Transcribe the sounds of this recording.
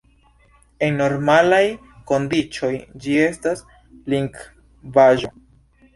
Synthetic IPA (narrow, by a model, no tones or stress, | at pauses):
e̞nno̞ɾmalaj | ko̞ndit͡ʃo̞jd͡ʒie̞stas | liŋɡ | vaʒo̞